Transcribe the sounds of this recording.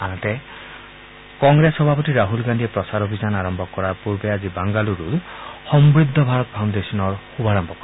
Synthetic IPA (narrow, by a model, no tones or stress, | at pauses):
anatɛ | kɔŋɡɹesxɔbʱapɔtiɹaɦulɡandijɛpɹɔsaɾobʱizanaɹɔmbʱɔkɔɹaɹpuɹbɛazibaŋɡaluɹudxɔmbɹid̪ʱːɔbʱaɹɔt̪̚pʰawndesɔnɔɹxubʱaɹɔmbʱɔkɔ